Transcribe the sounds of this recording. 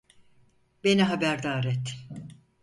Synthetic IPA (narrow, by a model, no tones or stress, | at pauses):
be̞niɦabæɾd̪aːɾɛt̪